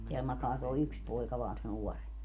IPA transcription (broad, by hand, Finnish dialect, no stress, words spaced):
teæl mɑkɑː toi̯ yks poikɑ ʋɑːn se nuɔremp